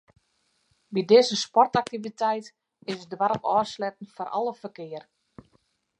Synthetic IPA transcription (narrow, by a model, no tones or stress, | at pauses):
bidɪzəspɔrtak̚tivitɛjt | ɪsədwaɾəpɔːslɛtən̩fɔɾʔɔ̰lˠəfərkɪər